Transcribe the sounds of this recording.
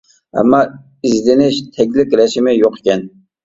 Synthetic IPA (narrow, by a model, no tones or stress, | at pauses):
æ̰mːɑ | ɪzd̪ɪnɪʃt̪ʰɛkʲlɪkʲɾæʃɪmɪjoqe̥kʲɛn